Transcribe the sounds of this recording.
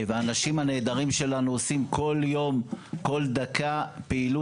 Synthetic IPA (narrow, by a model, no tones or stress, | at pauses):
veaːnaʃimhane̞ːd̪aʁimʃe̞lanuosimkʰo̞ljo̞mko̞ld̪akʰapeilu